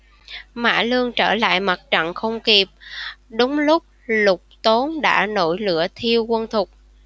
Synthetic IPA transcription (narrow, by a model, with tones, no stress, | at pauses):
ma̰ː˧˥lɨ˧əŋt͡ɕəː˧˩la̰ː˧˨jma˨˩t̚t͡ɕa̰˧˨nxə˧wŋ͡mki˨˩p̚ɗʊ˨˦ŋ͡mlʊ˦˥k͡p̚lʊ˨˩k͡p̚t̪o˨˦nɗa̰ː˧˥no̰˧˩jlɨ̰˧˨ət̪ʰi˧əwkwə˧nt̪ʰʊ˨˩k͡p̚